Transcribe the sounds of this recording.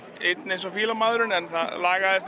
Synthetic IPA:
ejt̪nejns̬ɔfiːlamaːðɾʏnɛnθaðlaːɣaðɛst̪

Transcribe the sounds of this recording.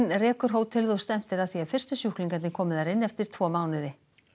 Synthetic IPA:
nrɛːkʏɾ̥ɦoːwt̪ʰɪlðɔst̪ɛm̥t̪ɪɾaðθiavfɪr̥st̪ʏsjuhkliŋkanɪŋkʰɔːmɪðaɾɪnːɛft̪ɪɾ̥t̪ʰvɔːmaːwnɪðɪ

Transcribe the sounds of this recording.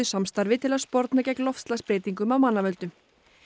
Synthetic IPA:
ʏsamst̪aɾvɪt̪ʰɪlaspɔɾt̪nacɛklɔftst̪laspɾeːt̪iŋkʏmawmanːavœlt̪ʏm

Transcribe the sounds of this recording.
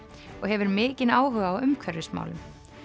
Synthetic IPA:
ɔɣhɛvʏɾmɪːcɪnaːwɦœːɣaawʏmkʰvœɾðɪsma̰ːwlʏm

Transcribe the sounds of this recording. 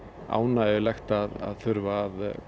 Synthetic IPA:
a̰ːwnaɛɪlajxt̪aða̰ðθʏɾvaːð

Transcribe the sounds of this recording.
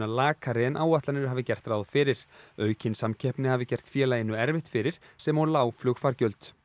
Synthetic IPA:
alaːkʰaɾɪnʔaːwvaht̪lanʏɾʏ̥ɦavɪcɛr̥t̪ɾraːwðfɪːɾɪɾ̥œːɥcʰɪnsamcʰɛhpnɪhavɪcɛr̥t̪fjɛːlaɪnːʏɛɾvɪht̪fɪɾɪɾ̥sɛmaɾlaːwflʏxfaɾcœlt̪

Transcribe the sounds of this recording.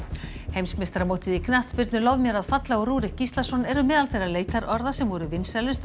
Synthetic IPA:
hejmsmɪst̪ɾamoːwt̪ɪðikʰnaht̪pɪɾt̪nʏlɔwvmjɛɾaðfat̪laɔɾuːɾɪcist̪lasɔnːɛɾʏmɛːðalθejrːaleːjt̪aɾʔɔɾðasɛmvɔɾʏvɪnsɛlʏst̪

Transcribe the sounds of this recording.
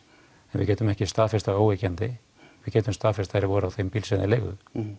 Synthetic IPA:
ɛnvɪ̰cɛːt̪ʏmɛhcɪst̪aːðfɪr̥t̪aoːwecɛnt̪ɪ | vɪðcɛːt̪ʏmst̪aːðfɪɾ̥t̪ajɾɪvɔɾawθejmpilsɛðɪlejɣʏ̰

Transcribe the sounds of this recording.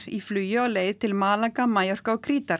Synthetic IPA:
iflyːjʏɔleːjðt̪ʰɪlmaːlakamajɔr̥kaɔkʰɾiːt̪aɾ

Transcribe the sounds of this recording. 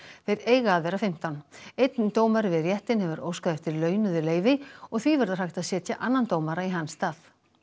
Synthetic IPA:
θejɾeːjɣaaðvɛɾafɪm̥t̪awnejt̪nt̪oːwmaɾɪvɪðrjɛht̪ɪnhɛvʏɾoːwskaðɛft̪ɪɾlœːɥnʏðʏleːjvɪɔɣθvivɛɾðar̥ajht̪aðsjɛːt̪jaʔanːant̪oːwmaɾaiɦansːt̪aːθ

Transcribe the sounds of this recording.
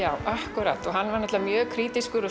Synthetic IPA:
jaːwʔahkʏɾa̰ːt̪ɔɣɦanːvaɾnɛt̪lvamjœːkʰɾiːt̪iskʏɾʏ

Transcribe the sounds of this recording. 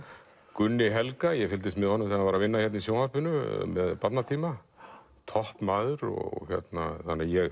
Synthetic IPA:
kʏnːɪɦɛlkajɛfɪlt̪ɪst̪mɪðhɔnːʏmθanavaɾavɪnːaçɛt̪nisjoːwnahpʏnʏmɛ̰ðpat̪nat̪ʰiːma | t̪ʰɔhpmaːðʏɾɔ̰ɣɔ̰ɣçjɛ̰t̪na̰θanːajɛɣ

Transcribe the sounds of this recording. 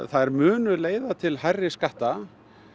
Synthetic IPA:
θaðɛɾmʏːnʏleːjðat̪ʰɪlɦajrːɪskaht̪a

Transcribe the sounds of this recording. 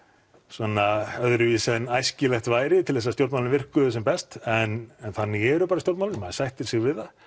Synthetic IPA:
svɔnaœðɾʏviːsanajscɪlɛxt̪vaːjɾɪt̪ʰɪlθɛs̬ːast̪jowɾt̪malnvɪr̥kʏʏsɛmpɛst̪ɛnɛnθanːɪɣɛɾʏpaːɾast̪jowɾt̪malnmasajht̪ɪɾ̥sɪɣvɪða

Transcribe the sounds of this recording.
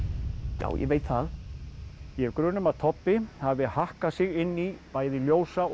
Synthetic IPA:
ja̰wjɛ̰veːjt̪θal | jɛvkɾʏːnːʏmaðt̪ʰɔpːɪhavɪhahkasɪɣɪnːipaːjðɪljoːwsa

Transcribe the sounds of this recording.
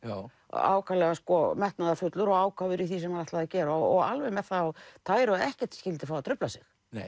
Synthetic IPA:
a̰ːwkʰalɛɣaskɔmɛht̪naðafʏt̪lʏɾɔɣaːwkʰavʏɾiθis̬ɛmaðɛht̪laðacɛːɾaɔɣalvɛmɛðθat̪ʰaːjɾʏɛhcɛ̥t̪scɪlt̪ɪ̥fawat̪ʰɾʏplasɪx

